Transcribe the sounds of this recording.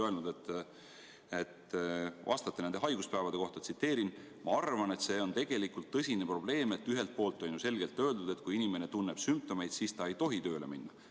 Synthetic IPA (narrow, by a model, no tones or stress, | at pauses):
øelnud̪̥et̪ː | et̪vɑ̰st̪ɑt̪ːeend̪e̞ɦɑjɡuspæːvɑd̪e̞ko̞ht̪ɑt̪sit̪ːe̞ːɾin | mɑɑrvɑne̞t̪se̞ːo̞nt̪e̞ɡ̥e̞likːult̪ːɤsʲinepro̞b̥le̞ːme̞t̪ːyɦe̞lt̪̚po̞ːlt̪ːˑojnuse̞lɡ̥e̞lt̪ːˑø̞ːld̪ud̪̥e̞t̪kujinʲime̞ne̞t̪unːeb̥symp̚t̪o̞me̞jd̪̥siːst̪ɑe̞jt̪o̞ɦit̪ø̞ːle̞̰minːɑ